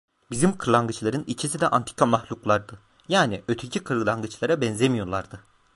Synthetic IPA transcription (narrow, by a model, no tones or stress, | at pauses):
bizimkʰɯɾlˠaŋɡɯt͡ʃlˠaɾɯnit͡ʃʰisid̪ɛʔant̪ʰi̥cʰamaxlʲuklˠaɾd̪ɯ | jaːniʔøt̪ʰycʰikʰɯɾɡɯlˠaŋɡɯt͡ʃlˠaɾabɛnzemijo̞ɾlˠaɾd̪ɯ